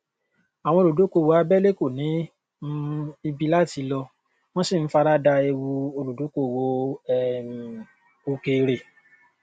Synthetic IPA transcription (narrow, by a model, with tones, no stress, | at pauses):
a˨w̃ɔ̃˧o˧ɾu˨do˨˦ko˧˦˨wo˨˧a˧bɛ˦le˦ko˦˨nĩ˨˦ | i˧bi˧la˦ti˨˧˦lɔ˧ | w̃ɔ̃˦si˦˨n̩˨˦fa˧ɾa˦da˧e˧wu˧o˧lu˨do˨˦ko˧˨wo˧ɛ˨m˨ | o˧ke˧ɾe˨